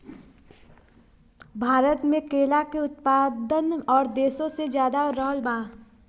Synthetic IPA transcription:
bʱaːɾət̪mẽkeːlakeʊt̪̚paːd̪ənɔːɾd̪eːsõsed͡ʒjaːd̪aɾəɦəlbãː

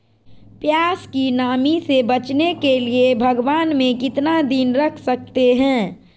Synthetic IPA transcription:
pjaːskinaːmisebət͡ʃnekeliebʱɐɡʋaːnmẽkɪt̪nad̪inɾəkʰsək̚t̪eɦɛ̃ː

